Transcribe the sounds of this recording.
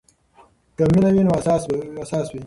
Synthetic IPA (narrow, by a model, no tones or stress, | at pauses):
kaminawinoasɑːsasɑːswi